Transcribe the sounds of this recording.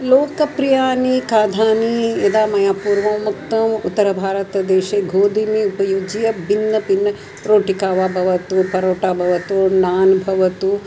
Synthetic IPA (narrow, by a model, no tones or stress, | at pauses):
loːkɐpɾijaːnikaːd̪ʱaːnied̪aːmɐjaːpuːɾʋɐmmuk̚t̪ɐmut̪ːɐɾɐbʱaːɾɐt̪ɐd̪eːʃeːɡʱoːd̪ʱimiupɐjuːd͡ʒijɐbinːɐpinːɐ | ɾoːʈikaːʋaːbʱɐʋɐt̪upɐɾoːʈaːbʱɐʋɐt̪unaːnbʱɐʋɐt̪u